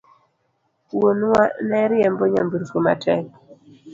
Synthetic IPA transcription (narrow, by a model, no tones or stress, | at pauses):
wonwanɛɾjɛmboɲa̰mbuɾfoma̰tʰɛk̚